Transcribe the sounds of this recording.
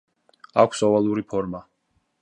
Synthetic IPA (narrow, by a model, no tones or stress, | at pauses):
a̰kʷʰsɔvalˠuɾipʰɔɾma